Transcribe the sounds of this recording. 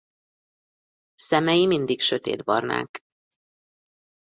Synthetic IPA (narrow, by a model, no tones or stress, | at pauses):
sɛmɛjimind̪ikʃøt̪ḛːd̪bɒrna̰ːk